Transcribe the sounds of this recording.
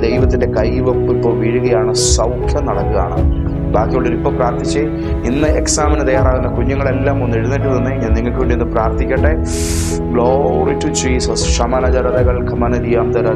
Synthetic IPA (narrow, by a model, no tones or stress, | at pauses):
d̪ejʋɐt̪ːinde̞kɐjʋɐpːipːoʋiɻuɣɐjaːɳɨsɐwkʰjɐmnɐɽɐkːɨɣa̰ːɳɐ̰ | baːkːijoːɭːiɾipːopraːrt̪it͡ɕːɐ | inːɨeksaːmɐnɨt̪ɐjaːɾaːɣunːɐkuɲːɐŋːɐɭe̞lːaːmonːeɻunːiʈ̬ːɨnɐnːɨɲaːnːiŋːɐɭkɨʋiɳɖiinːɨpraːrt̪ikʲːɐʈːe | ɡɭoritːut͡ɕiːsɐsʂɐmɐnɐd͡ʑɐɾɐðɐɣɐɭkɐmɐnɐd̪ijaːmt̪ɐɾaː